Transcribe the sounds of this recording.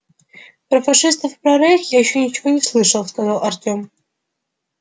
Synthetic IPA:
pɾəfɐʂɨst̪əfpɾɐɾexjajɪɕːonʲɪt͡ɕɪvonʲɪslˠɨʂəlˠskɐzɑlˠɐrtʲom

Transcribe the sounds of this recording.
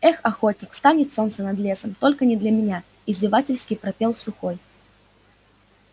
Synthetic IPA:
ɛxɐxot̪ʲnʲɪkst̪anʲɪt̪so̞nt̪sənɐd̪lʲesəmt̪olʲkənʲɪd̪lʲɐmʲɪnʲa | izʲdʲɪvatʲɪlʲsʲkʲɪjpɾɐpʲelˠsʊxoj

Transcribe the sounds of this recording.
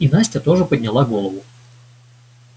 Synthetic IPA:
inasʲtʲət̪o̞ʐɨpədʲnʲɪlˠaɡolˠəvʊ

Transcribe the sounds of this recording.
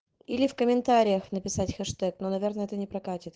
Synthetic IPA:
ilʲɪfkəmʲɪnt̪aɾʲɪjəxnəpʲɪsatʲxɛʂt̪ɛknonɐvʲernəɛt̪ənʲɪpɾɐkatʲɪt̪

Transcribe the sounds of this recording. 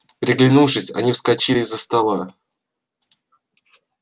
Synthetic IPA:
pɾʲɪɡlʲɪnufʂɨsʲɐ̰nʲifskɐt͡ɕilʲɪzəst̪ɐlˠa

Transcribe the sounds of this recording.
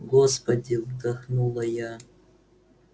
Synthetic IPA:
ɡospɐdʲivdaχnulˠɐja

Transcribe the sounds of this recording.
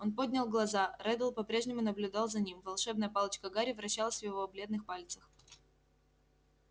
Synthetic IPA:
o̞npo̞dʲnʲɪlˠɡlˠɐzaɾɛd̪əlˠpɐpɾʲeʐnʲɪmʊnəblʲʊd̪ɑlˠzɐnʲimvɐlˠʂɛbnəjəpɑlˠət͡ɕkəɡaɾʲɪvɾɐɕːalˠəsʲvjɪvoblʲed̪nɨxpalʲt̪səx

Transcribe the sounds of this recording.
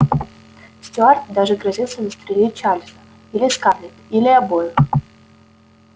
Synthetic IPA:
sʲtʲʊart̪d̪aʐɨɡɾɐzʲilˠsʲəzəst̪ɾʲɪlʲet͡ɕalʲzə | ilʲɪskarlʲɪt̪ilʲɪabojʊ

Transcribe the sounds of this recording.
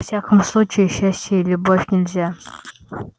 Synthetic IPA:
ɐfsʲakəmslˠut͡ʃejɪʃasʲtʲejlʲubofʲnʲɪlʲzʲa

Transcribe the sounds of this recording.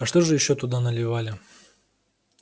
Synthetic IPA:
ɐʂt̪o̞ʐɨjɪɕːot̪ʊd̪anəlʲɪvalʲɪ

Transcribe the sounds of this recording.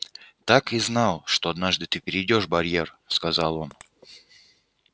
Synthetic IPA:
t̪akɨznalˠʂt̪oɐd̪naʐd̪ɨt̪ɨpʲɪɾʲɪdʲoʂbɐɾʲjerskɐzalˠo̞n

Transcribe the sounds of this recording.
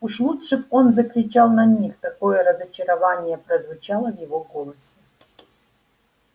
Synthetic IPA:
uʂlˠutʂɨfo̞nzəkɾʲɪt͡ɕalˠnɐnʲixt̪ɐko̞jəɾəzɐt͡ɕɪɾɐvanʲɪjəpɾəzvʊt͡ɕalˠəvjɪvoɡolˠəsʲɪ

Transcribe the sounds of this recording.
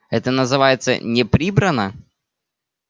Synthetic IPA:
ɛt̪ənəzɨvajɪt̪sə̰nʲɪpɾʲibɾənə

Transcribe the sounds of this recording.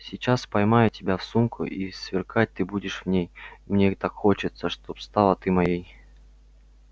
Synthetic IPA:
sʲɪt͡ɕaspɐjmajʊtʲɪbʲafsumkʰʊ̰ʔisvʲɪrkat̚ʲt̪ɨbudʲɪʂvnʲejmnʲet̪akxo̞t͡ɕɪt̪səʂt̪opst̪alˠət̪ɨmɐjej

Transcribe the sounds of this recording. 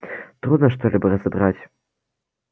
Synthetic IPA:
t̪ɾud̪nɐʂt̪ɔlʲibɐrɐzɐbɾat͡sʲ

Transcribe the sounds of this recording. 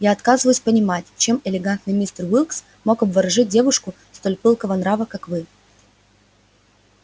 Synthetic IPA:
jaɐt̪kazɨvəjʊsʲpənʲɪmatʲt͡ɕe̞mɪlʲɪɡant̪nɨmʲist̪ərvʲilˠks | mo̞kɐbvɐɾɐʐɨt̚ʲdʲe̞vʊʂkʊ | st̪o̞lʲpɨlˠkəvənɾavəkakvɨ

